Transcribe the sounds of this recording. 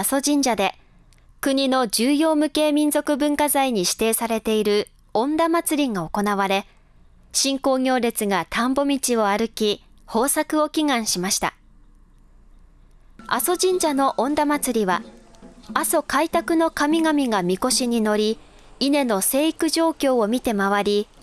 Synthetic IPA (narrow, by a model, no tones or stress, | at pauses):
aso̞d͡ʑĩɲ̟d͡ʑad̪e̞ | kɯ̟ɲ̟ino̞d͡ʑɨːjo̞ːmɯ̟ke̞ːmʲĩnzo̞kɯ̟bɯ̟̃ŋkazaiɲ̟iɕi̥t̪e̞ːsaɾe̞t̪e̞iɾɯ̟ | õ̞nd̪amat͡sɨɾʲiŋɡao̞ko̞naβ̞aɾe̞ | ɕĩŋko̞ːɡʲo̞ːɾʲe̞t͡sɨɡat̪ʰãmbo̞mʲit͡ɕio̞aɾɯ̟kʲi | ho̞ːsakɯ̟o̞kʲiŋãɰ̃ɕimaɕi̥t̪a̰ | a̰so̞ʑĩɲ̟d͡ʑano̞ʔõ̞nd̪amat͡sɨɾʲiβa | aso̞kait̪akɯ̟no̞kamʲiɡamʲiɡamʲiko̞ɕiɲ̟ino̞ɾʲiː | ne̞no̞se̞ːikɯ̟ʑo̞ːkʲo̞ːomʲit̪e̞maβaɾʲi